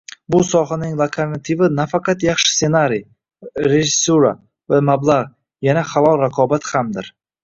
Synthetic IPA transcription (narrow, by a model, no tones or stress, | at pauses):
bʊsɒɦanɪŋlˠat̪ʰeɾnat̪ʰivɪnafaqʰɑt̪jɑχʃɪ̥se̞naɾij | ɾeʒɪsuɾa̰ | vamablˠaʁ | janaχalˠɒlˠɾaqʰɒbat̪hamd̪ɪɾ